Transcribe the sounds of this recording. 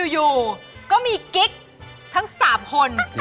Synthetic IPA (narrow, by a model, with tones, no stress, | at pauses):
juː˧kɔː˥˩miː˧ki˦˥k̚ | t̪ʰa˦˥ŋsaː˩˦mkʰo˧n